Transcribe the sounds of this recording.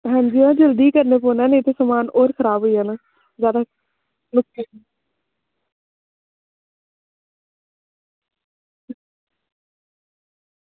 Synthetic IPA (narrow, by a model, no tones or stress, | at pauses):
ɦɛ̃ːɲd͡ʒiːãːd͡ʒəld̪iːkəɾneːpoːnɛ̃ːneːt̪eːsəmaːnoːɾkʰəɾaːbɦoiːɦaːnaː | zjaːd̪a | mʊkkʰː